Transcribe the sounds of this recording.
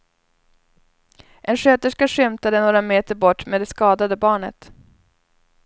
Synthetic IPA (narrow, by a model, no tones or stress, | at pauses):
ʔɛnɧøːt̪əʂkaʂʏmt̪ad̪ənoːɾameːt̪əɾbɔʈːmeːd̪ɛskɑːd̪ad̪əbɑːɳə̰t̪